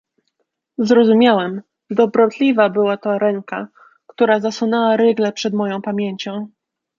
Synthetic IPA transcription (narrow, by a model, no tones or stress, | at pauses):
zɾɔzumʲawɛm | d̪ɔbɾɔt̪lʲivabɘwat̪ɔɾɛŋka | kt̪uɾazaswunɛwaɾɘɡlɛpʂɛd̪mɔjɔ̃w̃pamʲjeɲt͡ɕɔ̃w̃